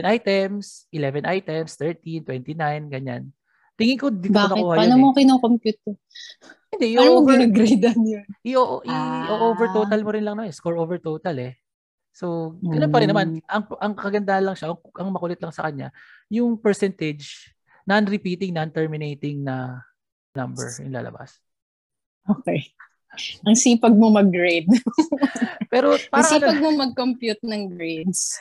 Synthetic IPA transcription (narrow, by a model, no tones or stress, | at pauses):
nʔajt̪ɛms | ʔɪlɛvɛnʔajt̪ɛmst̪ɛɹt̪int̪wɛnt̪inajnɡɐɲa̰n | t̪ɪŋɪkod̪ioanɐkohɐpanomokɪnɐŋkompjuːt̪ɛɾ | hɪnd̪ɛʔoovɐɡɾejd̪ɐnjonʔiʔoʔoʔiʔoʔovɛɹt̪oːt̪ɐlmoɾɪnlɐŋnɐmanskoɹʔovɛɹt̪ot̪ɐlɛ | so̞ɡɐnõnpɐɾɪnːɐmanʔɐŋʔɐŋkɐɡɐnd̪ahɐnlɐŋʃaʔɐŋʔɐŋmɐkʊlɛt̪lɐŋsɐkɐɲːa̰jʊŋpɛɹsɛnt̪ɛd͡ʒ | nɐnɾɪpiːt̪ɪŋnɐnt̪ɛɹmɪnejt̪ɪŋnɐ | nɐmbɛ̰ɹɪnla̰ːlɐ̰ba̰s | ʔoke | ɐŋsiːpɐɡ̚momɐɡɹed̪̚ | pɛːɾo̞paɾɐilpɐɡ̚momɐɡ̚kompjut̪̚nɐŋɡɹejd̪s